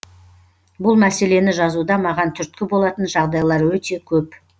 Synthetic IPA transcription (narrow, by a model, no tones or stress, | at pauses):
bʊlˠmæse̞le̞nɪʒɑzud̪ɑmɑʁɑnt̪ʰʏɾt̪̚kʲɪbo̞lˠɑt̪ənʒɑʁd̪ɑjlˠɑɾwɵt̪e̞kʲʰɵp